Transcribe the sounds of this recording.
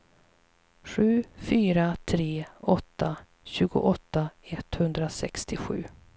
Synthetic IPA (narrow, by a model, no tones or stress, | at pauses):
ɧʉ̟ːfyːɾat̪ʰɾeːɔt̪ːa | ɕʉ̟ːɡʊ̰ʔɔt̪ːaɛt̪ːhɵnd̪ɾasɛ̰kst̪ɪɧʉ̟̰ː